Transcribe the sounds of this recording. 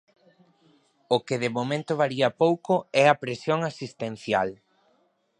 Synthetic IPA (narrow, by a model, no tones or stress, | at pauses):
okeðemomẽnt̪ʊβaɾiɐpowkoɛɐpɾesjoŋasist̪ẽn̟θja̰l